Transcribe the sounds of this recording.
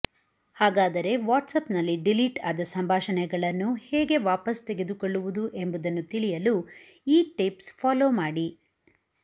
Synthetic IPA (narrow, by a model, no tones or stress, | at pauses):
haːɡaːd̪ɐɾe̞ʋaːʈsɐpnɐlːiɖiliʈaːd̪ɐsɐmbʱaːʃɐnɛɡɐɭɐnːuhɛːɡe̞ʋaːpɐst̪eɡe̞d̪ukoɭːuʋud̪uʔe̞mbud̪ɐnːut̪iɭijɐlu | iːʈipspʰaːloːmaːɽi